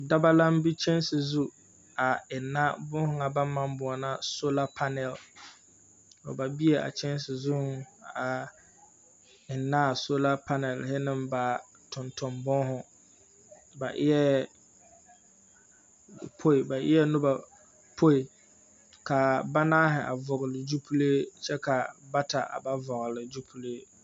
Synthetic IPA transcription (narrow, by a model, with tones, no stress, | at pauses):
da˦ba˦la˦m˦bi˦t͡ʃɛ˦nsɪ˨zu˦ | a˨ɪ˨nːa˦bʊ˦hʊ˨ŋa˨ba˦mːa˦mbʊ˨ɔ˨na˦so˦la˦pʰa˦nɛ˨l | ɔ̰˨ba˨bi˦e˨ʔa̰˨t͡ʃɛ˦n˦s̬ɪ˨zu˦a˨ | ɪ˨nːa˦˨so˦la˦pʰa˦nɛ˨lhɪ˦nɪ˦mba˨ | tʰʊ˨ntʰʊ˨mbʊ˦ŋ˦ɦʊ˨ | ba˨ʔɪ˦jɛ˦ | pʰo˦i˨ba˨ʔɪ̰˦ɛ˦nʊ˦ba˨ | pʰo˦i˨ | ka˨ba˦naː˦ɦɪ˨ʔa̰˨vʊ˨ɣɪ˨lɪ˨d͡ʒu˦pʰu˦le˦t͡ʃɛ˦ka˨ba˦tʰa˨ʔa̰˨ba˦vɔ˨ɣɪ˨lɪ˨d͡ʒu˦pʰu˦leː˦